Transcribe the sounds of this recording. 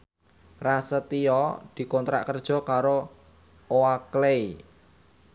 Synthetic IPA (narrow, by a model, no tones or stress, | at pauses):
rasət̪ijɔd̪̥i̤kont̪ɾa̰ʔkərd̥ʒ̥ɔ̤kaɾo | oaklei